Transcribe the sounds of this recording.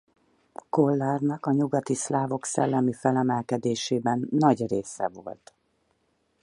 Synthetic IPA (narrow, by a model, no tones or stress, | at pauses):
ko̞lːaːrnɒkɒɲuɡɒt̪islaːvo̞ksɛ̰lːɛmifɛlɛmɛlkɛd̪eːʃeːbɛnːɒɟreːsɛ̰vo̞̰lt̪